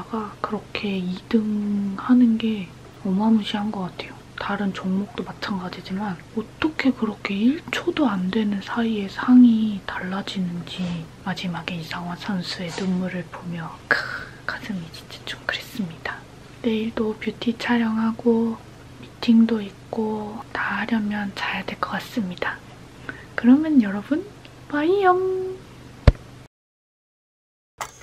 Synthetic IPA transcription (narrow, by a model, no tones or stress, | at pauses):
aɡakɯɾʌkʰe̞idɯŋhanɯnɡe̞ | ʌmamɯɕʰiɦanɡʌk͈atʰe̞jo | taɾɯnt͡ɕoŋmok̚t͈omat͡ɕʰaŋɡad͡ʑid͡ʑiman | ʌt͈ʌkʰe̞kɯɾʌkʰe̞iɭt͡ɕʰodoandwe̞nɯnsʰaie̞sʰaŋitaɭːad͡ʑinɯnd͡ʑimad͡ʑimaɡeisʰaŋwasʰansʰue̞tɯmmuɾɯɭpomjʌkɯ | k͈asʰɯmit͡ɕi̥t͡ɕ͈e̥t͡ɕ͈o̥mkɯɾe̞s͈ɯmɲid̥a | ne̞iɭdopjutʰit͡ɕʰaɾjʌŋɦaɡo | mitʰiŋdoik̚k͈otaɦaɾjʌmjʌnt͡ɕajadwe̞ɭk͈ʌk͈as͈ɯmɲida | kɯɾʌmjʌnjʌɾʌbunpaijʌm